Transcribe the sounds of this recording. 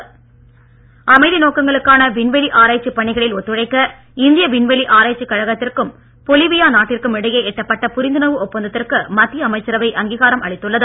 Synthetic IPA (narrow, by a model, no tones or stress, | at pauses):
ɐmɐɪðinoːkɐŋɡɐɭɯkːaːnɐʋɪɳʋɛliʔaːɾaːt͡ʃːipːɐɳɪɣɐɭɪlɔt̪ːɯɻɐɪkːɐ | ɪnd̪ɪjɐʋɪɳʋɛliʔaːɾaːt͡ʃːikːɐɻɐɣɐt̪ːɪrkɯm | pɔlɪʋɪjaːnaːʈːɪrkɯmɪɽɐjeːɛʈːɐpːɐʈːɐpʊɾɪnd̪ɯnɐʋɯɔpːɐnd̪ɐt̪ːɪrkɯmɐt̪ːɪjɐɐmɐɪt͡ʃːɐɾɐʋɐɪʔɐŋɡiːɣaːɾɐmɐɭɪt̪ːɯɭːɐðɯ